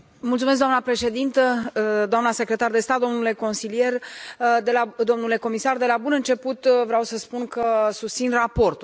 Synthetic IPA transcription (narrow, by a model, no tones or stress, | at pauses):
mult̪sumes̬kd̪oamnapɾe̞ʃe̞d̪int̪əd̪oamnase̞kɾe̞t̪ard̪e̞st̪at̪̚d̪o̞mnule̞ko̞nsilije̞rd̪elad̪o̞mnule̞ko̞misard̪e̞labunɨnt͡ʃe̞put̪vɾeawsəspunkəsust̪sinrapo̞rt̪u